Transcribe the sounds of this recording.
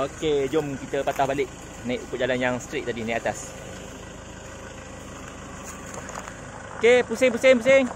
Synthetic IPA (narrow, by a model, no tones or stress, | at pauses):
oked͡ʒomkit̪əpat̪ahbalɪʔ̚ | najʔukʊʔ̚d͡ʒalanjaŋst̪ɾeʔ̚t̪adinajʔat̪as | okepusɪŋpusɪŋp̬usɪŋ